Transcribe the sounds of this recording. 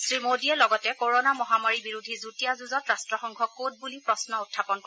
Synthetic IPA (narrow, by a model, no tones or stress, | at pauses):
sɹimodiɛlɔɡɔtɛkoɹonamɔɦamaɹibiɹudʱizutijazuzɔtɹastɹɔxɔŋkʰɔkːot̚bulipɹɔsnɔutʰːapɔnkɔɛ